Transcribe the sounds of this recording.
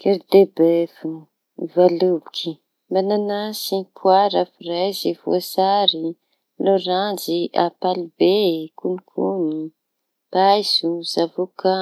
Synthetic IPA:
keɾd̪ebefun | valubikʰi | mananasikʰuaɾafirajzivo̰saɾi | loɾand͡ʒia̰palibekunikʰuni | b̥ajzuzavuka

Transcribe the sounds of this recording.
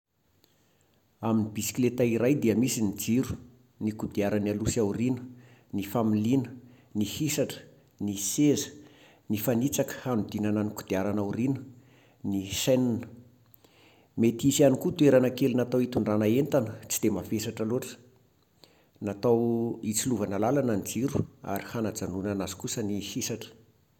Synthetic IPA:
aminibisi̥klet̪aiɾajd̪iəmisinid͡ziɾu̥ | nikud̪iaɾanialusawrinə̥ | nifamilinə̥ | nihisaʈ͡ʂə̥ | nisezə̥ | nifanit͡sakə̥hanud̪inanəniku̥d̪̥iaɾanawrinə̥ | nisajninə̥ | met̪isianikut̪ueɾanəkelinat̪awit̪uɳɖ͡ʐanaent̪anət͡si̥d̪emafesaʈ͡ʂaloʈ͡ʂə̥ | nat̪awit͡siluvanəlalanand͡ziɾua̰ɾihanad͡zanunanazu̥kusənihisaʈ͡ʂə̥

